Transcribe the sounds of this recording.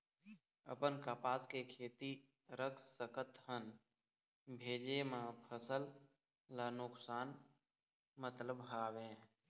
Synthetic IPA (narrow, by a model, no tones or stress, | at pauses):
ə̰pənkaːpaːskekʰeːt̪i | ɾəkʰsəkət̪hən | bʱeːd͡ʒemãpʰəsəl | ləːnʊksaːn | mət̪ləbɦaːʋẽː